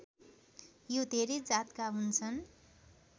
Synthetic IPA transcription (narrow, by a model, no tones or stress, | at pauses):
jod̪ʱeɾed͡zat̪kaɦunt͡sʰʌn